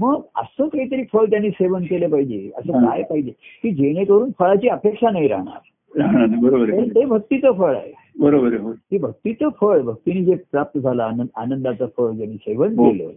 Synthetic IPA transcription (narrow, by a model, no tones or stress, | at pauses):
məɡə̰səːkaɦit̪̬əɾiːfəɭt̪̬janːiːseʋənkelepaɦid͡ʑeə̰səːkajpaɦid͡ʑekiːd͡ʑeɽ̃ekəɾuːnfəɭat͡ɕiːəpekʂanaɦiɾa̰ɦɳ̃a̰ɾ | aanabəɾobəɾeet̪ebʱək̚t̪it͡səfəɭa̰ɦe | bəɾobəɾeət̪ibʱək̚t̪iːt͡səfəɭbʱək̚t̪iniːd͡zepɾap̚t̪əd͡zʱalanəanənd̪at͡səfəɭt̪janːiːseʋənkelə̰